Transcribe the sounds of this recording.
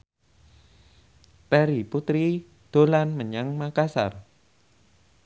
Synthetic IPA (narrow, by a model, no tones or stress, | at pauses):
pɛɾiput̪ɾi | d̪̥o̤lanməɲaŋmakasa̰r